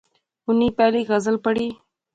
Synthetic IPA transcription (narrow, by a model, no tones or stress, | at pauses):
ʊnipɛːliɣɐzəlpəɽi